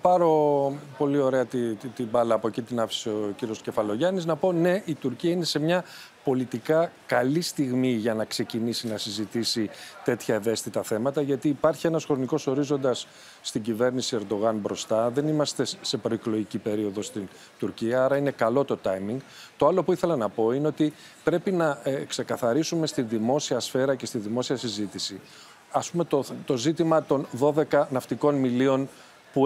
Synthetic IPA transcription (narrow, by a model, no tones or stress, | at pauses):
pɐɾo̞po̞lio̞ɾe̞ɐt̪it̪ibɐlɐːpo̞cit̪inɐfi̥siociɾio̞sce̞fɐlo̞ʝɐniznɐpo̞ne̞ʔit̪uɾciɐine̞se̞mɲɐ | po̞lit̪ikɐkɐlist̪iɣmiʝɐnɐkse̞cinisinɐsizit̪isit̪e̞t̪çɐe̞ve̞st̪it̪ɐθe̞mɐt̪ɐʝɐt̪iːpɐɾçie̞nɐsxɾo̞niko̞so̞ɾizo̞nd̪ɐsː | t̪iɲɟive̞ɾnisie̞ɾd̪o̞ɣɐnbɾo̞st̪ɐðe̞nimɐst̪e̞se̞pɾo̞iklo̞ʝicipe̞ɾio̞ðo̞st̪in | t̪uɾciɐɐɾɐine̞kɐlo̞t̪o̞t̪ɐjmiŋɡ | t̪oɐlo̞puiθelɐnɐpo̞ineo̞t̪i | pɾe̞pinɐkse̞kɐθɐɾisume̞st̪inðimo̞siɐsfe̞ɾɐce̞st̪iðimo̞siɐsizit̪isi | ɐspume̞t̪ot̪o̞zit̪imɐt̪o̞nðo̞ðe̞kɐnɐft̪iko̞nmilio̞n | pu